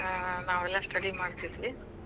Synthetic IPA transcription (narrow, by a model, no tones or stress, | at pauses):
naːʋɛlːɐsʈɐɽimaːɽt̪id̪ʋi